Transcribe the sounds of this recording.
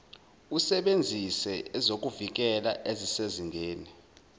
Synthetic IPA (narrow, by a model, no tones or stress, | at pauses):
usɛɓend͡zʱisɛɛzok̬ʼuvik̬ɛla̰ʔeziseziŋɡʱeːni